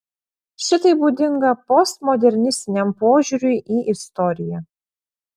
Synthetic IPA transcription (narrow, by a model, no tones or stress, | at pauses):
ʃʲɪt̪ɐɪbuːd̪ʲɪŋɡɐpɔst̪mɔd̪ʲɛɾʲnʲɪsʲt̪ʲɪnʲɛmpoːʒʲuːɾʲʊɪʔiːʔɪst̪ɔɾʲɪjɛ